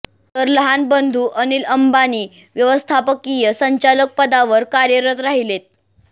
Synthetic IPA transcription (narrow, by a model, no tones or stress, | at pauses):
t̪əɾləɦanbənd̪ʱuːʔəniləmbaniː | ʋjəʋəst̪ʰapəkijəsəɲt͡ɕalək̚pəd̪aʋəɾkaɾjəɾət̪ɾaɦilet̪̚